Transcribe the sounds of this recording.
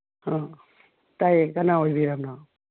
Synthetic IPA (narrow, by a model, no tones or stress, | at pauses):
hã | tajkanaojbiɾamna